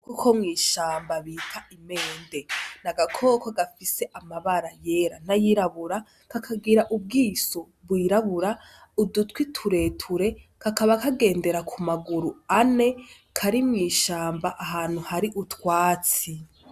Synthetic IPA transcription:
kukʰo̞mŋiːʃaːmbaβiːtʰaʔime̞ːnde̞naɡakʰo̞ːkoɡafise̞ʔamaβaɾaje̞ɾa̰n̥ajiɾaβuɾa | kakʰaɡiɾaʔub̚ɡiːso̞ | bwiːɾaβuɾa | udutkwitʰuɾe̞tʰuɾe̞kakaβakaɡe̞ːnde̞ɾakʰumaɡuɾuane̞ | kʰaɾimŋiːʃaːmbaʔaɦaːn̥huhaɾiʔutwaːt͡si

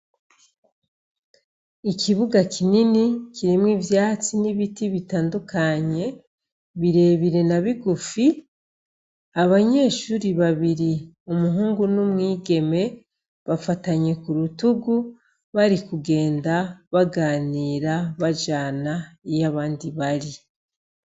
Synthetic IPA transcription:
ikʰiβuɡakʰininikʰiɾimŋivjaːt͡siniβitiβitaːndukʰaɲe̞ | βiɾe̞βiɾe̞naβiɡufi | aβaɲe̞ːʃuɾiβaβiɾi | umuɦuːŋɡunumŋiːɡe̞me̞ | βafataɲe̞kuɾutuɡu | βaɾikuɡe̞ːndaβaɡaːniːɾaβad͡ʒaːnaijaβaːndiβaɾi

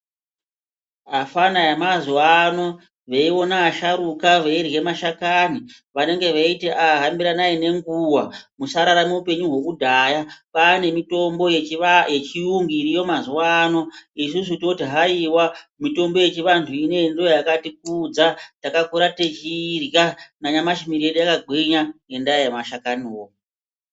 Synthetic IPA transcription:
afanajemazwano̞ | ʋeiwo̞naːʃaɾukaʋeirwe̞maʃakani | ʋane̞ŋɡe̞ʋaiteʔaɦambiɾanaine̞ŋɡuwamusaɾaɾamuupe̞ɲuɦokudʱaːjapaːne̞mito̞mbo̞jet͡ʃiuŋɡiːɾijo̞mazuwano̞is̬us̬utiotiɦaiwamito̞mbo̞je̞t͡ʃiʋantʰuine̞indojakatik̚ud͡zatakakuɾatet͡ʃirɣanaɲamaʃimiɾijeɗujakaɡʱwiɲaje̞ndaijemaʃakaniwo

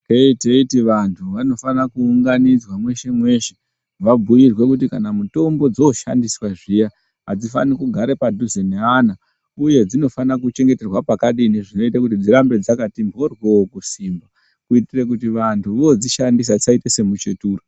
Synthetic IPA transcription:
keiteitiʋantʰuʋano̞fanakuːŋɡanid͡zwamwe̞ʃe̞mwe̞ʃe | ʋabʱujirwe̞kutikanamuto̞mbo̞d͡zo̞ʃa̰ndiswaʐija | ɦad͡zifa̰nikuɡʱaɾepadʱuzeneana | uje̞d͡zino̞fanakut͡ʃe̞ŋɡe̞terwapakaɗiniʐino̞itakutid͡ziɾambe̞d͡zakatimbʱo̞rweokusiːmba | kuitirek̬utiʋantʰuʋod͡ziʃandis̬at͡saitese̞mut͡ʃetuːro

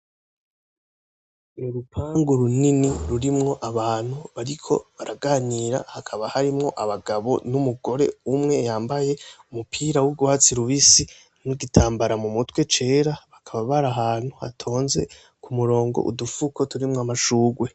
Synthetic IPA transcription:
nuɾupʰaːŋɡuɾuniniɾuɾimŋo̞ʔaβaːn̥huβaɾikʰo̞̰βaɾaɡaniɾa̰hakʰaβahaɾimŋo̞ʔaβaɡaβo̞̰numuɡo̞ɾe̞umŋe̞jaːmbaje̞umupʰiːɾawuɡwaːt͡siɾuβisi | nuɡitʰaːmbaɾamumutwe̞t͡ʃe̞ːɾaβakʰaβaβaɾaɦaːn̥huha̰tʰo̞ːnze̞̰ | kʰumuɾo̞ːŋɡo̰ʔṵdufukʰo̞tuɾimŋoamaʃuːɡwe̞

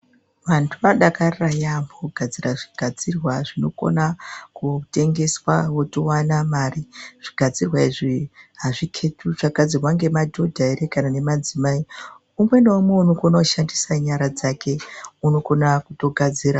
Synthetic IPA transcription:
ʋantʰuʋaɗakariajamboɡʱad͡ziraʐiɡ̥ʱad͡zirwaʐino̞ko̞̰nakute̞ŋɡe̞swawo̞towanamaːriʐ̥iɡʱad͡zirwaiʐiɦaʐikʰe̞tʰuʐaɡad͡zirwaŋɡe̞madʱo̞dʱaeɾekanane̞mad͡zimai | umwendaomweuno̞ko̞nauʃandisaɲaɾad͡zakʰe̞uno̞ko̞nakuto̞ɡʱad͡ziːɾa

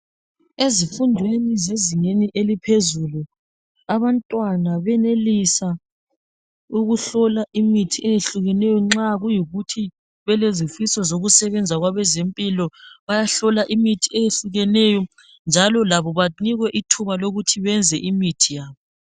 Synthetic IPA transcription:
ezifundʱwenizeziŋeniʔelipʰezulu | aβantʼwanaβɛnelisa | uɣuɬɔlaʔimitʰiʔejeɬuɣɛnɛjɔŋ͡ǁaɣujiɣutʰi | βɛlezifisɔzoɣusɛβɛnd͡zʱaɣwaβɛzempʼilɔβajaɬɔlaʔimitʰiejeɬuɣɛnɛjɔ | nd͡ʒʱalɔlaβɔβaniɣwɛʔitʰuβaloɣutʰiβɛnd͡zʱɛʔimitʰijaːβɔ

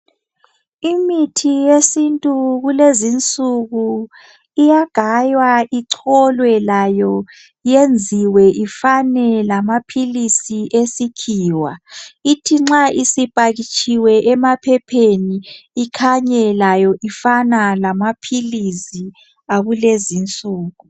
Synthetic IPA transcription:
imitʰijesintʼuɣulezint͡sʼuɣu | ijaɡ̥ʱajwaʔiǀʰɔlwɛlajɔ | jend͡zʱiwɛʔifanɛlamapʰilisiʔesikʰiːwa̰itʰiŋ͡ǁaʔisipʼaɣit͡ʃʼʰiwɛʔmapʰɛpʰeniːkʰaɲɛlajɔʔifanalamapʰilisi | aɣulezint͡sʼuːɣu

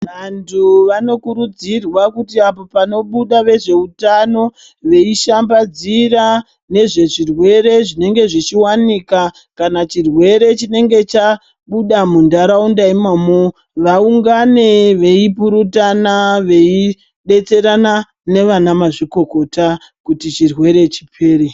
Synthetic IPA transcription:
ʋantʰuʋano̞kuɾud͡zirwakutiapo̞pano̞ɓuɗaʋe̞ʐe̞utano̞ | ʋe̞iʃambad͡zira | ne̞ʐe̞ʐirwe̞ɾe̞ʐine̞ŋɡe̞ʐit͡ʃiwanika | kanat͡ʃirwe̞ɾe̞t͡ʃine̞ŋɡe̞t͡ʃa | ɓuɗamundaɾaundaimamo | ʋauŋɡane̞ʋe̞ipuɾutanaʋe̞i | ɗe̞t͡se̞ɾana | ne̞ʋanamaʐiko̞ko̞ta | kutit͡ʃirwe̞ɾe̞t͡ʃi̥pʰe̞ːɾe

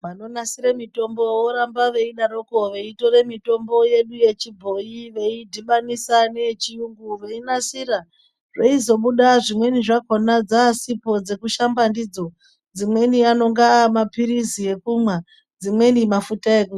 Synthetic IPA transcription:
mano̞nasiɾamito̞mbo̞woɾambaʋe̞iɗaɾo̞ko̞ʋe̞ito̞ɾe̞mito̞mbo̞je̞ɗuje̞t͡ʃibʱo̞jiʋe̞idʱiɓanisane̞t͡ʃijuŋɡuʋe̞inasiɾa | ʐe̞izo̞ɓuɗaʐimwe̞niʐako̞nad͡zasipo̞d͡ze̞kuʃambandid͡zo̞ | d͡zimwe̞niano̞ŋɡamapiɾizie̞kumwa | d͡zimwe̞nimafutae̞ku

